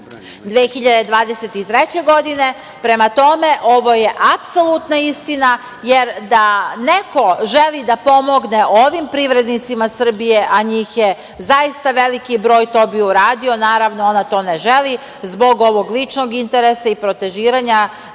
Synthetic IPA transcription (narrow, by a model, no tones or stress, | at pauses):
d̪ʋexiʎad̪ed̪ʋaːd̪eset̪it̪ɾet͡ɕe̞ɡo̞d̪ine̞ | pɾe̞mat̪o̞me̞ʔo̞ʋo̞je̞ʔapso̞lˠut̪naist̪ina | jeɾd̪aneko̞ʒelˠid̪apo̞mo̞ɡne̞ʔo̞ʋimpɾiʋɾe̞d̪nit̪simasr̩bije̞ʔaɲiːxje | zaist̪aʋe̞likibɾo̞ːjt̪o̞ːbiuɾaːd̪io̞naːɾaʋnoo̞nat̪o̞ːneʒe̞li | zbo̞ɡo̞ʋo̞ɡlˠit͡ʃnoɡint̪eɾesaipɾo̞t̪e̞ʒiːɾaɲa